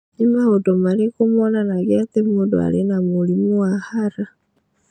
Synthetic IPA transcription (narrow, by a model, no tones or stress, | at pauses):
imaodɔmaɾekomɔnanaɣeatemudo̰a̰ɾenamulimuahaɾa